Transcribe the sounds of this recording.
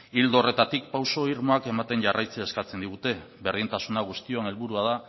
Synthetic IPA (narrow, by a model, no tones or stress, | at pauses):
ild̪ore̞t̪at̪ik̚pawso̞iɾmo̞ake̞mat̪e̞nʝarʔajt͡seːskat͡se̞nd̪iɣ̞ut̪e̞ | βe̞rðint̪asunaɣ̞ust̪io̞ane̞lβuɾuaða